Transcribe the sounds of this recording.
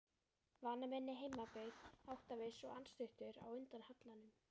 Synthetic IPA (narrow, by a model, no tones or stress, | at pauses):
vaːnamɛnːɪɦeːjmapejðhawht̪avɪsɔɣa̰nst̪ʏht̪ʏɾa̰wʏnt̪anhat̪lanʏm